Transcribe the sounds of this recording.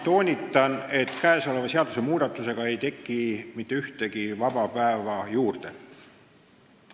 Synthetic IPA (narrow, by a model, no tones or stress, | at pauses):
t̪o̞ːnʲit̪ːˑɑne̞t̪ːˑkæeso̞le̞vɑseɑd̪use̞muːd̪̥ɑt̪ːˑuse̞ɡ̥ɑe̞jt̪e̞kːˑimit̪ːe̞yht̪e̞ɡ̥ivɑb̥ɑpæevɑjuːrd̪̥e̞